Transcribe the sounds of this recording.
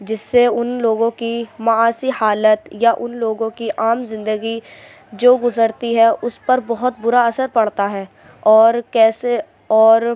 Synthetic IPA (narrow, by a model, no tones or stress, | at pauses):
d͡ʒɪsːeʊnloːɡõkimɐaːsihaːlət̪jaʔʊnloːɡõkiʔaːmzɪ̃nd̪əɡi | d͡ʒoːɡʊzəɾt̪iɦɛʔʊspɐɾbɐɦʊt̪̚bʊɾaɐsəɾpɐɽ̤t̪aɦɛː | ɔːɾkɛːse | ɔːɾ